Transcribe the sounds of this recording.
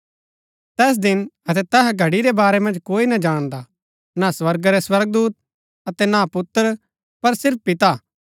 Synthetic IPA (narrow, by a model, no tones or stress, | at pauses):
t̪ɛːs̬d̪ɪnɐt̪ɛt̪ɛɦɛɡʱɐɽiɾɛbaːɾɛmɐ̃nd͡ʒkoːinɐd͡ʒaːɽ̃d̪a | naswɐɾɡɾɛswɐɾɡ̚d̪uːt̪̚ | ɐt̪ɛnapʊt̪ːəɾ | pɐɾsɪɾp̚pɪt̪a